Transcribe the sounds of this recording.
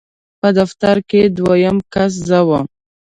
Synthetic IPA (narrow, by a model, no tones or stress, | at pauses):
pəd̪aft̪aɾked̪wajəmkas̬zawam